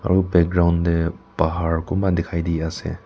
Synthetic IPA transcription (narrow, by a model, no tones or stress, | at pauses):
a̰ɾubɛk̚ɡɾawndepaɦaɹkumbadikʰajdiasḛ